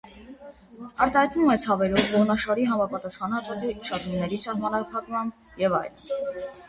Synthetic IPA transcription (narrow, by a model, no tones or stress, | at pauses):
ɑɾt̪ɑhɑjt̪numɛt͡sʰɑvɛɾɔvvɔʁnɑʃɑɾiɦɑmɑpɑt̪ɑsχɑnhɑt̪vɑt͡siʃɑt̪umnɛɾisɑhmɑnɑpʰɑkmɑmb | jɛvɑ̰jlən